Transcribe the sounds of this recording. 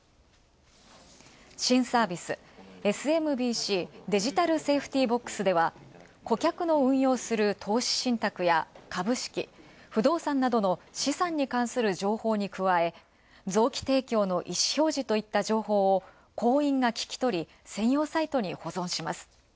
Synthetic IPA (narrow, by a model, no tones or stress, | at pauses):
ɕĩɰ̃saːbʲisɨ | e̞sɨe̞mɯ̟bʲiːɕiːd̪e̞ʑit̪aɾɯ̟se̞ːɸɯ̟̥t̪ʲiːbo̞kːɯ̥sɨd̪e̞βa | ko̞kʲakɯ̟no̞ɯ̟̃ɰ̃jo̞ːsɨɾɯ̟t̪ʰo̞ːɕi̥ɕĩnt̪akɯ̟jakabɯ̟ɕi̥kʲḭ | ɸɯ̟d̪o̞ːsãnːad̪o̞no̞ɕisãɲ̟ːikãɰ̃sɨɾɯ̟ʑo̞ːho̞ːɲ̟ikɯ̟βae̞ | d͡zo̞ːkʲi̥t̪e̞ːkʲo̞ːno̞ʔiɕi̥ço̞ːʑit̪o̞it̪ːaʑo̞ːho̞ːo | ko̞ːĩŋɡakʲi̥kʲi̥t̪o̞ɾʲi | sẽ̞ɰ̃jo̞ːsait̪o̞ɲ̟iho̞zõ̞ɰ̃ɕimasɨ̥